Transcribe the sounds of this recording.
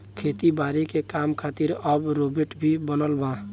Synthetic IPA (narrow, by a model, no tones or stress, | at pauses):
kʰet̪ibaɾikekamkʰat̪iɾəbɾobeʈbʱibənəlba